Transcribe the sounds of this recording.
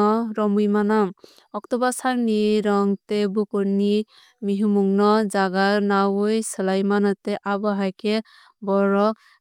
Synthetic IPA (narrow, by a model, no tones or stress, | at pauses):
ɔɾɔmujmanam | ɔk̚tɔbasaɾniɾɔŋtebukuɾni | miɦumuŋnɔzaɡanawɯjsɯlajmanateʔabɔɦajke | bɔɾɔ